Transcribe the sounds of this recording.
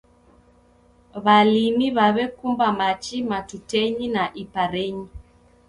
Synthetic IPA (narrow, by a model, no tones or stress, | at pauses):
βalimiβaβɛkumbamat͡ʃimatutɛɲinaʔipaɾeɲi